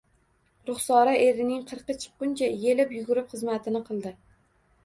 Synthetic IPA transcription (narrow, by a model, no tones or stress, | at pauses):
ɾʊχsɒɾaʔe̞ɾɪnɪŋqʰɨɾqɨt͡ʃʰɨ̥q̚qʊnt͡ʃʰaje̞lɪpjʊɡʊɾɪpχɨzmat̪ʰɪnɪqʰɨlˠd̪ɪ